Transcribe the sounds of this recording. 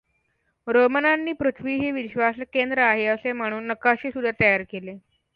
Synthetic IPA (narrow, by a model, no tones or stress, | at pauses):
ɾomənanːiːpɾut̪ʰʋiːɦiːʋiɕʋaskend̪ɾəaɦeəsem̤əɽ̃uːnːəkaɕiːsud̪ʱːat̪əjaɾkele